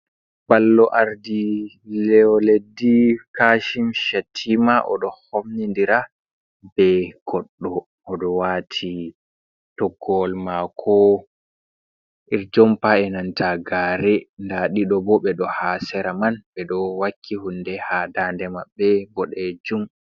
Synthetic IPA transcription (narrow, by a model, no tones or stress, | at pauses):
balːɔʔaɾdi | lɛɔledikaʃimʃatʰimaʔɔ̰ɗɔhomnindiɾa | bɛɡ̥ɔɗːɔː | ɗɔwatʰi | tɔɡːɔlmakʰɔ | ʔiɾd͡ʒɔmpaɛnantaɡaɾɛndaɗiɗɔbɔɓɛɗɔhasɛɾamanɓɛɗɔwakʰːihundɛhadandɛmabːɛbɔɗɛd͡ʒum